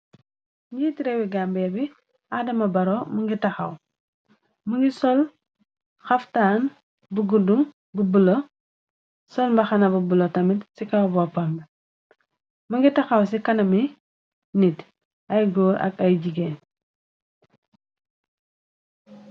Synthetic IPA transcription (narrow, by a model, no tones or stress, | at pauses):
ɲiːtiɾɛwiɡambɛbi | adɐmɐbɐɾɔmuŋɡitɐxɐ̰w | muŋɡisɔl | xɐftaːn | buɡuduŋ | bubulo | sɔlmbɐxɐnɐbubulotɐmitsikawbɔpamb | mɐŋɡitɐxɐwsikɐnɐmi | nit | ɐjɡɔːɾʔɐ̰kɐjɟiɡeːn